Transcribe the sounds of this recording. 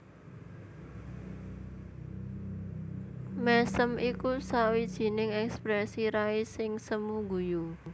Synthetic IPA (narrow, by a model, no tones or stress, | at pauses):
mɛsəmʔikusawid̥ʒ̥i̤nɪŋɛkspɾɛsiɾaisɪŋsəmuŋɡuju